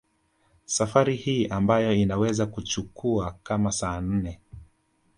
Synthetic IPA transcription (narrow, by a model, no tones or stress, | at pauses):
safaɾihiːʔambajɔinawɛzakut͡ʃukuakamasaːn̩nɛ